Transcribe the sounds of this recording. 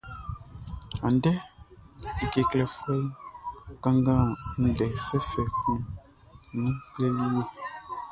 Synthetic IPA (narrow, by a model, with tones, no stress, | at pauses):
a˨n˦dɛ˦ | i˨ke˨klɛ˨fɛ˦i˦kã˦ŋɡã˦n̩˦dɛ˨fɛ˦fɛ˨kũ˦ | nĩ˦klɛ˦li˦je˦